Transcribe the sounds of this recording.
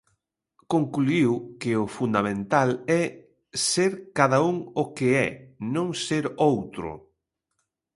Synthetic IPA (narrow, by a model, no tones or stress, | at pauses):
koŋkluiwkɪʊfund̪amẽnt̪alɛ | seɾkaðauŋʊkeɛnõŋseɾowt̪ɾʊ̰